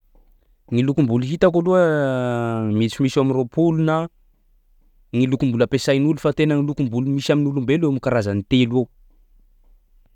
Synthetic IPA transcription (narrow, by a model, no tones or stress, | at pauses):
ŋilukumbulɦit̪akoluə | mit͡simisaminropulunə | ŋilukumbuləpesajnulufat̪enəŋilukumbulumisaminulumbelewmikaɾazanit̪ele